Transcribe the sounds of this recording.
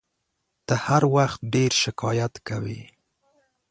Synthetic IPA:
t̪əhaɾwaxt̪̚ɖeɾʃɪkɑjat̪kawḭ

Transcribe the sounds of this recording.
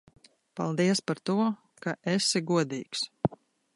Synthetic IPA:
pa̰lˠd̪iɛspaɾt̪uɔ | kaʔesiɡuɔd̪iːks

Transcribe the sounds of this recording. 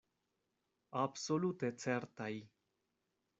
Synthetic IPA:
absolut̪et͡seɾt̪aj

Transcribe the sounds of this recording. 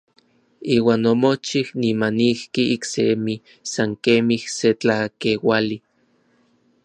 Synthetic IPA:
iːwaːnːomot͡ʃihnimanihkiiksḛmi | saŋkemihset͡ɬakewali

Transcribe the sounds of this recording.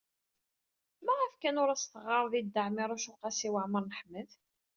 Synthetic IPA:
mæʁæfkænʊɾæst̪əʁɑɾˤðid̪ːəʕmiɾˤæʃʊqɑsiwəʕməɾˤnəħmːəð

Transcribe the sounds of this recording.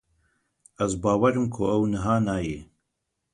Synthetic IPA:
ɛzbaːwɐɾɨmkʰʊɛwnɨɦaːnaːje

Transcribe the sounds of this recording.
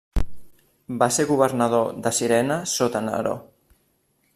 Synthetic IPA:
baseɣuβ̞əɾnəð̞oðəsiɾɛnəsot̪ənə̰ɾo̰

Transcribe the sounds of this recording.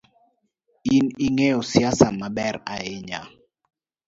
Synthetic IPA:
iniŋɛɔsiasamaɓɛɾaɛɲa̰

